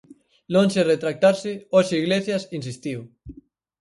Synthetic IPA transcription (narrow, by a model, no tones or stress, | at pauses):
lonseret̪ɾak̚t̪aɾseosiɣleθjasins̬ist̪iw